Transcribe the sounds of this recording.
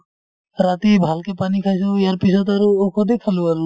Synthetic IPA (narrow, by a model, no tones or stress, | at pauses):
ɾat̪ibʱalkepanikʰasojaɾpisʰɔt̪aɾokʰɔd̪ekʰaluaɾl